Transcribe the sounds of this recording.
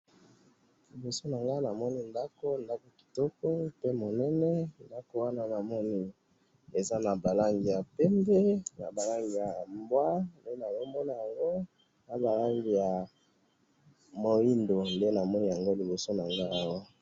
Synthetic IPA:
li˨bo˨so˦na˨ŋɡa˦na˨mɔ˦ni˦nda˦ko˦nda˦ko˨ki̥˨tɔ˦kɔ˦pe˦mo˨nɛ˦nɛ˦nda˦ko˦wa˦na˦na˨mɔ˦ni˦ | e˨za˦na˨ba˨la˦ŋɡi˨ja˨pɛ˦mbe˦na̰˨ba˨la˦ŋɡi˨ja˨mbwa˦nde˦na˨lo˦mbɔ˦na˨ja˨ŋɡo˦ | na˨ba˨la˦ŋɡi˨ja˨ | mo˨i˦ndo˨nde˦na˨mɔ˦ni˦ja˨ŋɡo˦li˨bo˨so˦na˨ŋɡa˦a˦wa˦

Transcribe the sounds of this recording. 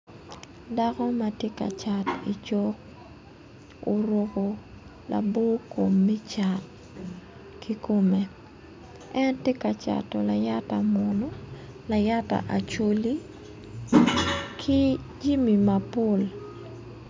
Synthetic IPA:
da˦kɔ˦ma˦tje˦ka̰˨t͡ʃa˨ti˨t͡ʃɔ˦k | o˦ɾo˦ko˦ | la̰˨bo˦ko˨mːi˦t͡ʃa˨t | kʰi˦ko˦me˨ | ɛ˦ntje˦ka˨t͡ʃa̰˨tɔ˨la˨ja˦ta˨mɔ˨no˦ | la˨ja˦ta̰˨ʔa˨t͡ʃo˦li˦ | kʰi˦ | d͡ʒi˦mi˨ma˨po˦˨l

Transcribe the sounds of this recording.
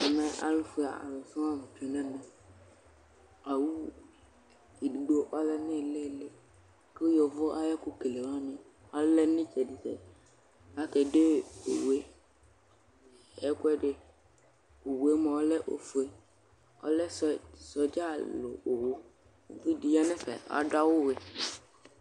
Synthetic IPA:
a˨mɛ̃˦ʔa̰˨lʊ˦fʊ˨˦a̰˨a̰˨lʊ˨sʊ̃˦a˦mɪ̃˨tʰe˨nã˦nɪ̃˨ | a˨wu˦ | e˨di˨ɡ͡bo˦ʔɔ˦lɛ˦nɪ̃˦˨le˦lɪ˦˨ | ki˦jɔ˨vʊ˦ʔa˦jɛ˦kʊ˦ke˨le˨mã˦nɪ̃˦ | ɔ˦lɛ˦nɪ̃˦t͡ʃʰɛ˨dɪ˨sɛ̰˨ | a˦kɛ˨de˦o̰˨we˦ | ɛ˦kʊ˦ɛ˦ɖɪ˨ | o˨we˨˦mɔ˨ɔ˦lɛ˦ʔo̰˨fu˨e˦ | ɔ̰˦lɛ˦ssɔ˨d͡ʒa˦lʊ̰˨o˨wʊ˦˨ | vi˦di˨ja˦nɪ˦fɛ̰˨a̰˨˦da˦wʊ˦we˨

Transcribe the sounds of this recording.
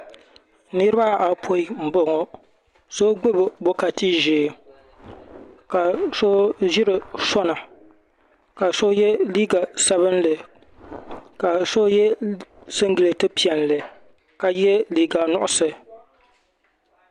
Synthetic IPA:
nɨ˦ɾɨ˦ba˦ʔa˨pʰo˦i˦m̩˨bo˨ŋo˨ | so˦ɡ͡bɨ˦bɨ˨bo˦ka˨ti˦ʒeː˨ | ka˨so˦ʒi˦ɾɨ˨sɔ˦na˨ | ka˨so˦jɛ˦liː˦ɡa˨sa˦βɨ˦nlɨ˨ | ka˨so˦jɛ˦sɨ˦ŋɡɨ˨lɨ˨tɨ˦pi˦˨ɛ˨nlɨ˨ | ka˨jɛ˦liː˦ɡa˨nʊ˦ʔʊ˦sɨ˨

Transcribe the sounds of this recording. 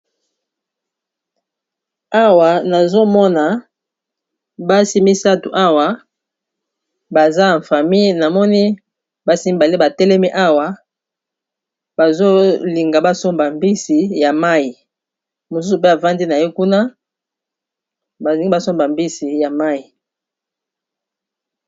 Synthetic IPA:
a˦wa˨na˨zo˦mɔ˦na˨ | ba˦si˦mi˦sa˦tṵ˨ʔa˦wa˨ | ba˨za˦˨ɱ˨fa˨mi˦˨na˨mɔ˦ni˦ | ba˦si˦mi˦ba˨li˦ba˨tɛ˦lɛ˦mi˦ʔa˦wa˨ | ba˨zo˦li˨ŋɡa˨ba˦so˦mba˨mbi˦si˨ja˨ma˦i˨ | mo˨su˦su˨pe˦a˨va˦ndi˦na˨jo˦ku˦na˦ | ba˨i˨i˦ba˦so˦mba˨mbi˦si˨ja˨ma˦i˨

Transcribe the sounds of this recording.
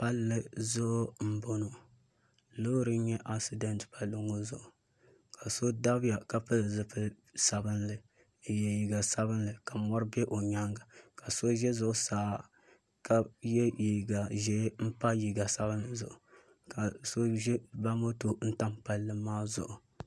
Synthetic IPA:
pa˦lːɨ˦zʊ˦ʔm̩˦bo˨no˨ | lo˦ɾɨ˦n˦ɲɛ˦ʔa˨si˦dɛ˦ntpa˨lːɨ˦ŋo˦zʊ̰˨ʔʊ˨ | kʰa˨so˦da˦bɪ˦ja˨ka˦pɨ˦lzɨ˦pɨ˦ | sa˨bɨ˦nlɨ˨ | jɛ˨ji˨ɡa˨sa˦bɨ˦nlɨ˨ka˨mɔ˦ɾɨ˦bɛ˦ʔo˨ɲa˦ŋɡa˨ka˨so˦ʒɛ˦zʊ˦˨ʔʊ˦saː˨˦˨ | ka˦jɛ˦ji˨ɡa˨ʒɛ˦m̩˦pa˦ji˨ɡa˨sa˦bɨ˦n˦lɨ˨zʊ̰˨ʔʊ˨ | ka˨so˦ʒɛ˦ba˦mo˦to˨˦n̩˦ta˦mpa˨lːɨ˦maː˦zʊ̰˨ʔʊ˨

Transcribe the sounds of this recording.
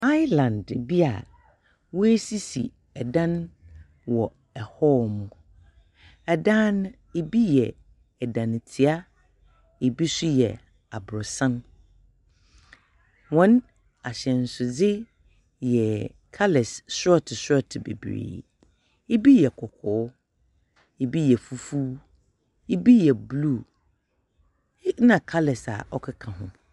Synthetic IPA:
a˦jlã˨ndbi˦a̰˨ | wɔ˦e˦si˦sḭ˨ | ɛ˨dã˦n | wɔ˨ | ɛ˨hɔ˦mʊ̃˨ | ɛ˨dã˦n˦ | e˦bi˦jɛ˨ | ɛ˨dã˨ñ˨tʰɪ˨a˦ | e˨bi˦sʊ˦jɛ̰˨ | a˨bʊ˨ɾʊ˨sã˦n | wɔ̃˨˦n | a˨ɕɛ̃˨n̩˨sʊ˨d͡zɪ˦ | jɛ˨ | kʰa˦lɛ˨ssɔ˦tʰɪ˨sɔ˦tʰɪ˨bḛ˨bɾḭː˨ | e˦bi˦jɛ˨kʰɔ˨kʰɔː˨˦ | e˦bi˦jɛ˨fu˦fu˦ | e˦bi˦jɛ˨blu˦˨˦ | nã˨kʰa˦lɛ˨sa̰˨ɔ˦kʰɪ˦kʰã˨ɦʊ̃˦

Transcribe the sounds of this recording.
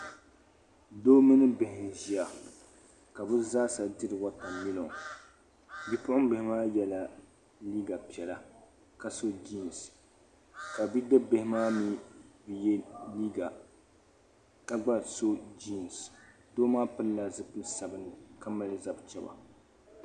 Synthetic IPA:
doː˦mɨ˦nɨ˦bɪ˨hɪ˨nʒi˦a˨ | ka˨bɨ˦zaː˦sa˨dɨ˦ɾɨ˨wa˦ta˨mi˦lo˨ŋ | bi˦pʊ˦ʊ˦m˦be˨hɪ˦maː˦jɛ˦la˨ | liː˦ɡa˨pi˨ɛ˨la˦ | ka˨so˦d͡ʒi˦˨n˨s | ka˨bi˦dɨ˦be˦˨hɪ˦maː˦mi˦bɨ˨jɛ˦li˦ɡa˨ | ka˨ɡ͡ba˦so˦d͡ʒi˦˨n˨s | doː˦maː˦pɨ˦lla˨zɨ˦pɨ˦sa˨bɨ˦nɨ˨ka˦ma˦lɨ˨za˨bt͡ʃɛ˦ba̰˨

